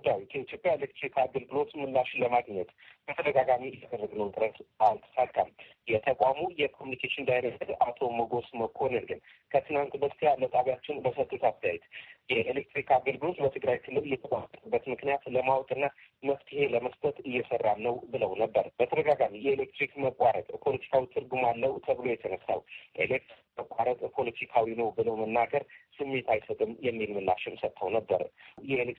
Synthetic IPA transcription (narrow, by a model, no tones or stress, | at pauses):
ɡud̪ːawikʰəit̪jo̞pʼjaelek̚t̪ɾikʰaɡəlɡɨlo̞t̪mɨlːaʃɪnləmaɡɲɛt̪b̥ət̪ʰəd̪əɡaɡamijad̪ərːəɡnəwt̪ʼɨɾət̪alt̪ʰɨ̥sat̪ʼːa̰m | jɛt̪ʰəkʷʼamujɛkʰo̞munikʰeʃɪnd̪ajnəsəd̪at̪ʰo̞məɡo̞sməkʰo̞nɨnɡɨn | kʰət̪ʰɨnant̪ʼbəst̪ʰijalət̪ʼaβjat͡ʃːɪnbəsət̪ʼːut̪ast̪ʰəja̰jɛt̪jɛʔelek̚t̪ɾikʰaɡəlɡɨlo̞t̪bət̪ʰɨɡɾajkʰɨlːɨlɨjːɛt̪ʰəkʷʼat̪ʼːət̪ʼəbːət̪mɨknijat̪ləmawt̪ʼɨnːaməβt̪ʰihe̞ləməst̪ʰʼət̪ʼɨjːɛsərːamnəwbɨləwnəbːəɾbət̪ʰəɾəɡaɡamijɛelek̚t̪ɾikməkʼwaɾət̪ʼpʰo̞lət̪ʰi̥kʰawit̪ʰɨɾɡumalːəwt̪ʰəβɨlo̞jɛt̪ʰənəsːa̰wjelek̚t̪ɾikməkʼʷaɾət̪ʼpʰo̞lət̪ʰikʰawinəwbɨləwmənːaɡəɾsɨmːe̞t̪ʰajsət̪ʼɨmjɛmːilmɨlːa̰ʃɪmsət̪ʰːəwnəbːəɾjɛelek